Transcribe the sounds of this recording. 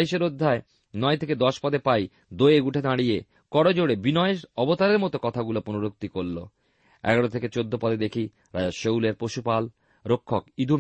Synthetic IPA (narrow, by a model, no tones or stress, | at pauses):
iʃeɾod̪ʱːae | nɔet̪ʰeked̪ɔʃpɔd̪epaj | d̪ojeɡuʈʰed̪aɽije | kɔɽod͡ʑoɽebinɔeeʃɔbot̪aɾeɾmɔt̪okɔt̪ʰaɡuloponuɾok̚t̪ikoɾlo̰ | ɛ̰ɡaɽot̪ʰeket͡ɕod̪ʱːopɔd̪ed̪ekʰi | ɾaaʃowleɾpoʃupal | ɾokʰːokid̪ʱu